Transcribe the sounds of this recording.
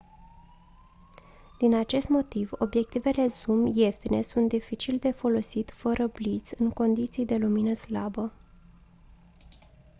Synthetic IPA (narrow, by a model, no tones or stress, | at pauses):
d̪̥inat͡ʃe̞st̪mo̞t̪ivo̞̰bje̞k̚t̪ive̞le̞zumje̞ft̪ine̞sunt̪̚d̪ifit͡ʃild̪e̞fo̞lo̞sit̪ʲfəɾʔəblit̪sʲɨŋko̞nd̪it̪sijd̪e̞luminəslabə